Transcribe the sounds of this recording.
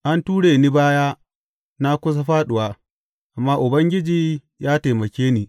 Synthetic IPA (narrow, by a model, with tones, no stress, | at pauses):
ʔa˦ntuː˦ɽeː˨niː˦baː˦jaː˦ | na˦kʷʊ˦s̬a˦ɸaː˦ɗʊ˨waː˦ | ʔa˨mːaː˦ʔʊ˨bɐ˦ŋɡʲɪ˦d͡ʒiː˦ | jaː˦te˨mɐ˨kʲeː˦niː˨